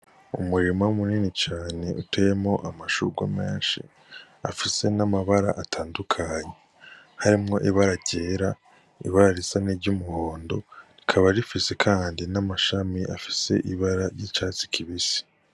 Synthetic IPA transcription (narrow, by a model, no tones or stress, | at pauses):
umuɾimaumuniːnit͡ʃaːne̞ʔutʰejemŋo̞ʔamaʃuɡwame̞̰ːnʃḭ | a̰fise̞namaβaɾa̰ʔatʰaːndukʰaɲe | haɾimŋo̞ʔiβaɾaɟeːɾa | ḭβaɾaɾisaniɾɟumuhoːndo̞̰ɾikʰaβaɾifise̞kʰaːndinamaʃamiʔafi̥se̞ʔiβaɾaɾjit͡ʃaːt͡si̥kʰiβisi̥